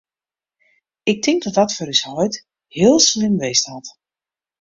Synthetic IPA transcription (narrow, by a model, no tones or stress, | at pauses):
ɪk̚tʰɪŋk̚dɔt̚dɔtfɔɾyshɔjt | hɪəlˠslɪmʋestɔt